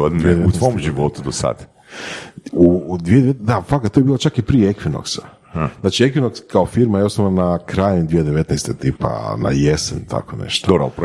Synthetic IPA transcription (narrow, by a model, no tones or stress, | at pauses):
oied̪eet̪nʋomʒiʋot̪ud̪osa̰d̪ | ud̪ʋied̪eet̪d̪afakat̪t̪ojebiːlˠat͡ʃakipɾijeekʋino̰ksḁ | znaːt͡ʃiekʋinokskaofiɾmajeosnoʋnanakɾaːjnimd̪ʋijed̪eʋet̪nejst̪et̪iːpa̰na̰jesḛnt̪ʰa̰konḛʃt̪o̥dobɾop